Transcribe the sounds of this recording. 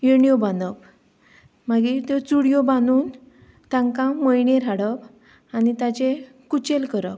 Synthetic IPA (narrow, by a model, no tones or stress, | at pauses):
jeɳijobãnd̪əp | maɡiːt̪et͡suɽijobãnuːn | t̪ãŋkãmojɳeɾaɽəp | anit̪at͡ɕe | kut͡ɕelkəɾə̰p